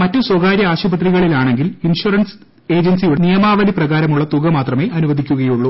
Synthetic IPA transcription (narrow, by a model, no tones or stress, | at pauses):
mɐtːuswɐɡaːɾjɐaːɕɐbɐt̪̬riɣɐɭilaːɳe̞ŋɡilinɕurɐns | e̞ːd͡ʑɐnsijunijɐmaːʋɐliprɐɣaːɾɐmuɭːɐt̪uɣɐmaːt̪rɐme̞ːʔɐnuʋɐd̪ʱikʲːuɣɐjuɭːu